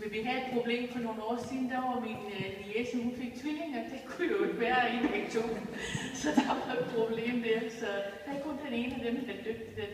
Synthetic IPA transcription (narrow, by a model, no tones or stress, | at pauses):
ʋesʋieɡ̥hæed̥̚pʰʁo̝b̥le̝̰ːmfɒ̽no̝ːn̩ɒ̰ːsiːn̩d̥ɑʋɑmin | niesmhunfe̝ɡ̥̚t͡sʰʋile̝ŋɒd̥e̝kʰujo̝e̝ɡ̥ʋæːɐeneɡ̥ɕo̝̰ːn̩sɒ̽d̥ɑʋɑed̥̚pʰʁo̝b̥le̝̰ːmd̥eɐsɒ̽d̥æɪɡ̚kʰɔ̽nd̥ene̝ːnæd̥emed̥end̥øɡ̥̚d̥id̥e